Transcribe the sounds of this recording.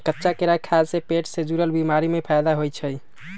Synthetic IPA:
kətːʃakeɾakʰasepeʈsed͡ʒuɾəlbimaɾimepʰajd̪aɦojt͡ʃʰəj

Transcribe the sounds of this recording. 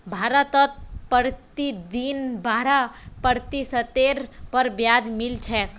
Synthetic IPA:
bʱaɾət̪ət̪̚pəɾt̪id̪inbaɾapəɾt̪isət̪eɾpəɾbjad͡ʒmilt͡ʃʰɛk

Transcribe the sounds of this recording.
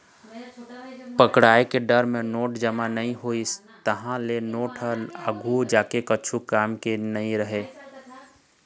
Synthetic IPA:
pəkɽaːekeɖəɾmẽnoːʈd͡ʒəmanɐɦĩɦoːis | t̪əɦãlenoːʈɦəlaɡʱud͡ʒaːkekət͡ʃʰukaːmkenɐɦĩɾəɦeː

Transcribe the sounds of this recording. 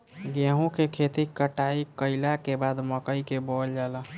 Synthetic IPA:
ɡaɦũkekʰet̪ikəʈaikəɪlakebad̪məkəikebɔld͡ʒaːla

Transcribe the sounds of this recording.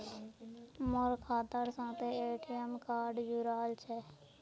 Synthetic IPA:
mɔɾkʰaːt̪əɾsãːt̪eːeːʈijəmkaːɾɖd͡ʒuːɾaːlt͡ʃʰɛ

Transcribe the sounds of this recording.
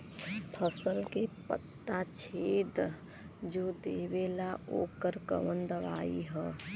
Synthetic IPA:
pʰəsəlkepə̰t̪ːat͡ʃʰeːd̪ | d͡ʒoːd̪eːʋeːlaʔo̰ːkəɾkə̰ʋənd̪əʋa̰ːiɦɛ̃ː

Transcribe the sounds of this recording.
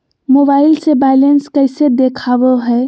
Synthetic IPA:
moːbaːɪlsebaɪlenskəɪsed̪ekʰaːwoɦɛː

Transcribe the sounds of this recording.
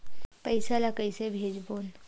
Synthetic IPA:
pəɪsalakəisebʱeːd͡ʒboːn

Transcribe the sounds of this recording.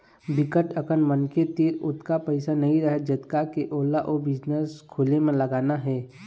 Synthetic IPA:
bɪkəʈəkənmənket̪iːɾʊt̪kapɛɪsanɐɦĩɾəɦed͡ʒət̪kakeʔoːlaʔobɪd͡ʒnəskʰʊlemẽləɡaːnaɦɛː

